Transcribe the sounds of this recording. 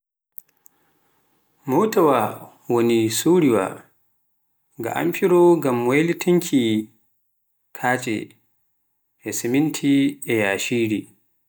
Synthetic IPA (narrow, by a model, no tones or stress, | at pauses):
mowtawa | wonisuːɾiwa̰ | ɡa̰ʔa̰mfiɾɔɡamwejlitʰiŋkʰi | kʰaːt͡ʃʼɛ̰ | ʔɛsimintʰiʔɛjaːʃiːɾi